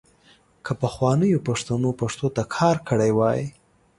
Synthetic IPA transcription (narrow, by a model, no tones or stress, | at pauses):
kʰəpəxwɑnəjopaʂt̪anopaʂt̪ot̪akʰɑɾkʰəɽajwɑjḭ